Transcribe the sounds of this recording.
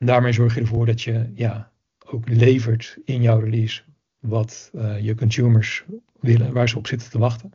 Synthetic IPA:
ndaːɹmejzɔɹχjədəɹvʊːɹdɑtjəjaː | owklejvəɹtɪnjɔwrəlis | ʋɑtjəkɔnsuməɹs | ʋɪlənʋaːɹzəɔpsɪtəntəʋɑχtən

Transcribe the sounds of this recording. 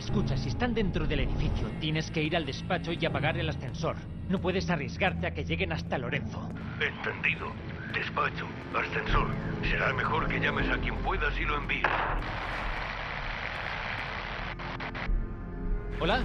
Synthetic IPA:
e̞skut͡ʃasiest̪and̪e̞nt̪ɾo̞ðe̞le̞ðifiθjot̪je̞ne̞ske̞iɾald̪e̞spat͡ʃoiapaɣaɾe̞lasθe̞nso̞ɾ | no̞pwe̞ðe̞sarje̞zɣaɾt̪e̞ake̞ʝe̞ɣe̞nast̪alo̞ɾe̞nθo̞ | ent̪e̞nd̪iðo | d̪̥e̞spat͡ʃo | asθe̞nso̞ɾse̞ɾame̞xo̞ɾke̞ʎame̞sakjempwe̞ðasiloe̞mbiḛs | o̞la

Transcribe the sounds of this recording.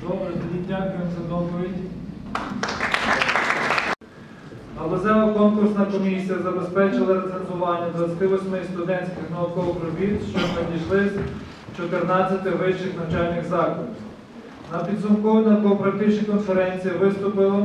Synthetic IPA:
d̪ɔbɐd̪ʋʲidʲnʲakʲunsɛd̪ɔpɔʋʲidʲ | ɐlˠɐzɛlˠɐkɔnkʊrsnɐkɔmʲisʲijɐzɐbespɛt͡ʃɪlˠɐɾɐzɐnzʊʋɑnʲːɐd̪ʋɐt͡sʲɐt̪ɪʋɔsʲmɪst̪ʊd̪ɛnʲsʲkɪxnɐʊkɔpɾɔʋʲit̪ʃt͡ʃɔnɐd̪ʲiʃlˠɪsʲ | t͡ʃɔt̪ernɑt͡sʲːɐt̪ɪʋɪt͡ʃɪxnɐwt͡ʃɑlʲnɪxzɑkɔd̪ʲi | nɐpʲid̪zʊmkɔʋɐnɐk̪ɔɔpɾɐkt̪ɪt͡ʃnʲikɔnfeɾɛnʲt͡sʲijiʋɪst̪ʊpɪlˠɔ

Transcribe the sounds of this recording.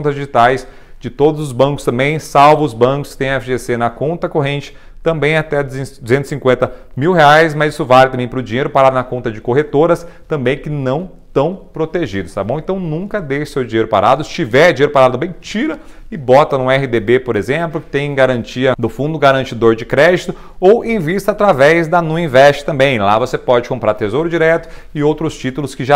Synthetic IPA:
õt̪ɐzd͡ʒiʒit̪ajs | d͡ʒɪt̪od̪ʊzʊzbɐ̃kʊst̪ɐ̃mbẽj̃sawvɐ̃ʊzbɐ̃kʊskɪ̥t̪ẽj̃ɐefʒesenɐkõnt̪ɐkoɦẽnt͡ʃɪ̥ | t̪ɐ̃mbẽj̃at̪ɛd̪zd̪uzẽnt̪ʊ̥ɪsĩŋkwẽnt̪ɐmiwheajsmɐzisʊvalɪt̪ɐ̃mbẽj̃pɾʊd͡ʒĩɲejɾʊpaɾad̪ʊnɐkõnt̪ɐd͡ʒɪkoɦet̪oɾɐst̪ɐ̃mbẽj̃kɪnɐ̃w̃ | t̪ɐ̃w̃pɾot̪eʒid̪ʊst̪ab̃w̃ẽnt̪ɐ̃w̃nũkɐd̪ejsewd͡ʒĩɲejɾʊpa̰ɾa̰d̪ʊɪst͡ʃivɛd͡ʒĩɲejɾʊpaɾad̪ʊmẽt͡ʃiɾɐɪbɔt̪ɐnʊ̃ɛɦɪd̪ebepoɾezẽplʊkɪ̥t̪ẽj̃ɡaɾɐ̃nt͡ʃiɐd̪ʊfũd̪ʊɡaɾɐ̃nt͡ʃid̪oɾd͡ʒɪkɾɛd͡ʒit̪ʊ | owʔẽj̃vist̪ɐat̪ɾavɛzd̪ɐnũĩvɛst͡ʃɪ̥t̪ɐ̃mbẽj̃lavosepɔd͡ʒɪkõmpɾaɾt̪ezowɾʊd͡ʒiɾɛt̪ʊ̥ | ɪowt̪ɾʊst͡ʃit̪ʊlʊskɪʒa

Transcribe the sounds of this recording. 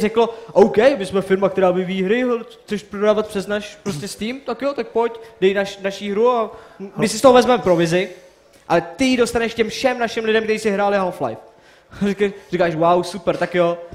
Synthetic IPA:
rɛklʔowkɛjmɪsmɛfɪɾmakt̪ɛɾaːvɪviːɦɾɪɦt͡sɛʃpɾodaːvat̪̚pr̥ɛznaʃpɾostcɛsciːmt̪akjot̪ak̚po̞cdɛjnaʃnaʃiɦɾuamɪsɪst̪oɦovɛzmɛmɛfpɾo̞vɪzɪ | ʔat̪ɪjido̞st̪anɛʃkcɛmfʃɛmnaʃɪmlɪdɛmkt̪ɛɾiːsɪɦɾaːlɪalfla̰jf | rikarikaːʃwawsupɛɾt̪akjo

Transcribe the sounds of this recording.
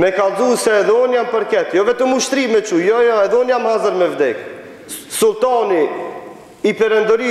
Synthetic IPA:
mɛkalˠzusɛɛðɛɔnjampəɾkɛt̪jɔvɛt̪əmuʃt̪ɾimɛt͡ʃujɔjɔɛðɛɔnjamhazəɾmɛvd̪ɛk | sulˠt̪ani | ipɛɾɛnd̪ɔɾi

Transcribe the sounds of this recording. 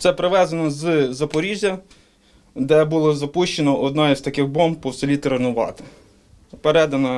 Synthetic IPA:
t̪sɛpɾɪʋɛzɐnɔzzɐpɔɾʲizʲɐ | d̪ɛbulˠɔzɐpuʃt͡ʃenɔʔɔd̪nɑizt̪ɐkɪxbɔmbpɔwsɔlʲit̪ɾenʊʋɑ̰t̪ɪ̥ | peɾɛd̪ɐnɐ

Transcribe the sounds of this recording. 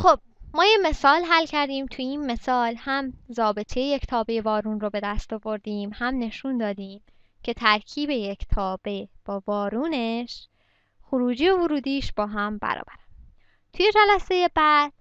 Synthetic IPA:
xob̥̚mɒːjeme̞sɒːlɦælcʰæɾd̪iːmt̪ʰujiːnme̞sɒːlhæmzɒːbe̞t̪ʰejeject̪ʰɒːbe̞je̞vɒːɾuːnrobe̞d̪æst̪ɒːvo̞ɾd̪iːmhæmne̞ʃund̪ɒːd̪iːm | cʰe̞t̪ʰæɾcʰiːbe̞jecʰt̪ʰɒːb̥e̞b̥ɒːvɒːɾuːne̞ʃ | xoɾuːd͡ʒiːovoɾuːd̪iːʃb̥ɒːɦæmbæ̰ɾɒ̰ːbæɾæn | t̪ʰuje̞d͡ʒælæse̞jebæd̪̥

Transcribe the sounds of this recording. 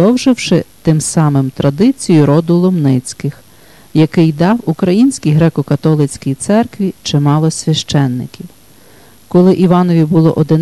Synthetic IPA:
ɔwʒɪwʃɪt̪ɪmsɑmɪmt̪ɾɐd̪ɪt͡sʲijʊɾɔd̪ʊlˠɔmnɪt͡sʲkɪx | jɐkɪjd̪ɑwukɾɐjinʲsʲkʲijɦɾɛkɔkɐt̪ɔlˠɪt͡sʲkʲijt̪sɛrkʋʲit͡ʃɪmɑlˠɔsʲʋʲɐʃt͡ʃɛnːɪkʲiw | kɔlˠɪʔiʋɑnɔʋʲibʊlˠɔ̰ʔɔd̪ɪn

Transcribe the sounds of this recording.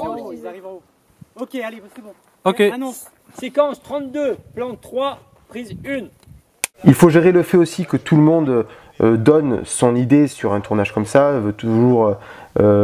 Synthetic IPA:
okʲẽ | sekɑ̃st̪χɑ̃t̪d̪øplɑ̃t̪χwa | pχizyn | ilfoʒeʁeləfɛosikət̪ʰuləmɔ̃d̪ø | ød̪ɔnsɔ̃nid̪esyʁɛ̃t̪ʰuʁnaʒ̥kɔmsaɛlvøt̪uʒuʁø | ø

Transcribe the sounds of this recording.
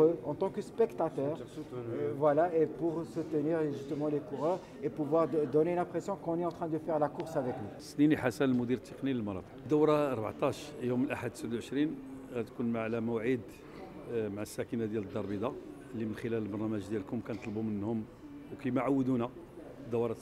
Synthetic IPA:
øɑ̃t̪ɑ̃kəspɛkt̪at̪œʁ | vwalaepuʁsut̪əniʁʒyst̪əmɑ̃lekuʁœʁ | epuvwaʁd̪ɔnelɛ̃pχesjɔ̃kɔ̃nɛɑ̃t̪χɛ̃d̪əfɛʁlakʊʁsavɛklisniniħasænəlmud̪iɾt̪ːəqniləlmɑnɑ̰t̪ˤə̥qd̪ːəwɾɑɑɾˤba̰ʕt̪ˤɑʃjuməlʔaħad̪səd̪uwʕəʃɾinɣæt̪kunmaʕlæməwʕid̪ | maʕasːækənad̪jæləd̪ːɑɾˤbid̪ɑ | lːimənxəlæləlbɑɾˤnæmæʒd̪jælkʊmkænt̪ˤlbumənhʊm | wkæjmaʕawːəd̪unæ | d̪ːæwɾˤɑt̪

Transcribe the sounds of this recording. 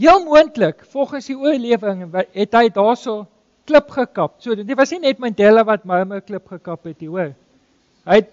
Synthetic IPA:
ɦiəlˠmuəntləkfɔlˠχənsdiuərliəvəŋɦɛtɦəjdɑːsəlˠ | kləpχəkɐpsuədŋdəvɐsninɛtmɐdɛləvɐt̚mɐrmərkləpχəkɐpɦɛtiuər | ɦəjt̚

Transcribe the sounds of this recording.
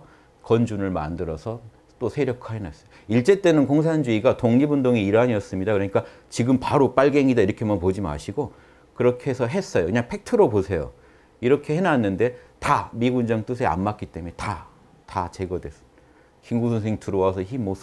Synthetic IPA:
kʌnd͡ʑunɯɭma̰ndɯɾʌsʰʌ | t͈osʰe̞ɾjʌkʰaɦenas͈ʌ | iɭt͡ɕ͈e̞t͈e̞nɯnkoŋsʰand͡ʑuiɡatoŋɲibundoŋeiɾaɲiʌs͈ɯmɲidakɯɾʌɲik͈a | t͡ɕiɡɯmpaɾop͈aɭɡe̞ŋidaiɾʌkʰemʌnpod͡ʑima̰ɕʰiɡo | kɯɾʌkʰe̞sʰʌɦe̞s͈ʌjokɯɲaŋpʰe̞k̚tʰɯɾoposʰe̞jo̰ | iɾʌkʰe̞henanːɯnde̞tamiɡund͡ʑʌŋt͈ɯs̬ʰea̰mːak͈it͈e̞mueta | tat͡ɕe̞ɡʌdwe̞s | kiŋɡusʰons̬ʰeŋtɯɾowasʰʌçimːos

